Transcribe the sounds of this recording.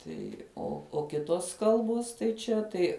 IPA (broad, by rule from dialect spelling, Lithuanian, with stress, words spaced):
ˈtɐɪ oː oː ˈkʲɪtoːs ˈkɐlˠboːs tɐɪ ˈt͡ʃʲɛ tɐɪ